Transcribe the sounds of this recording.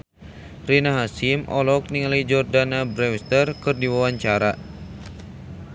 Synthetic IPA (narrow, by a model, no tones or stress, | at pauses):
rinaɦasimʔɔ̰lɔk̚niŋlajd͡ʒɔrdanabɾɛwst̪ərkɨrdiwawaɲt͡ʃaɾa